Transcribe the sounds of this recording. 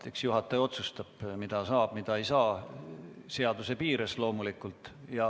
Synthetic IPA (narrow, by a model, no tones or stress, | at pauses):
eksjuɦɑt̪ːˑɑjo̞t̪sust̪ɑb̥mid̪̥ɑsɑːb̥mid̪̥ɑe̞jsɑː | seɑd̪̥use̞piːɾeslo̞ːmulikːˑult̪ˑjɑ